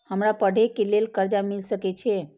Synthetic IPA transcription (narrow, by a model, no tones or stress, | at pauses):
həmɾapəɽ̤ʱekelelkəɾd͡ʒamilsəket͡ʃʰe